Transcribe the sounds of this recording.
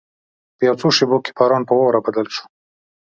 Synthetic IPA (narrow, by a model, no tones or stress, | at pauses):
pjɑt͡soʃeboke̥pɑɾɑːnpəwawɾabad̪əlʃu̥